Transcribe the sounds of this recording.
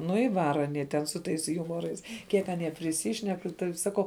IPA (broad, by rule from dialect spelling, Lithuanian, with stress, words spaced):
ˈnʊ ɪ ˈʋɑːrɐ ɐˈnʲiɛ tʲɛn sʊ ˈtɐɪs ˈjʊmoːrɐɪs ˈkʲiɛk ɐˈnʲiɛ pʲrʲɪˈsʲiːʃʲnʲɛk tɐɪ sɐˈkɐʊ